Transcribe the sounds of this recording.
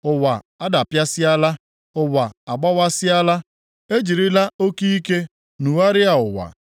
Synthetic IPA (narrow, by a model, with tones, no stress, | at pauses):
ʊ˦wa˨ | a˦da˨pja˦sɪ˦a˦la˦ | ʊ˦wa˨a˨ɡ͡ba˦wa˦sɪ˦a˦la˦ | e˦d͡ʒi˨ɾi˦la˦o˦ki˦i˦ke˦ | nu˨wa˦ɾɪ˦a˨ʊ˨wa̰˨